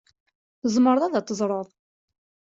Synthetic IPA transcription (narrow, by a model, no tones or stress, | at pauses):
θəzˤməɾðˤæðæt̪ˤːəzˤɾˤəðˤ